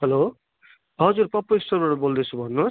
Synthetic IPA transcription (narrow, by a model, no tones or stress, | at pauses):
ɦʌlo | ɦʌd͡zurpʌpːoisʌrbaʈʌbold̪et͡sʰubʱʌnːus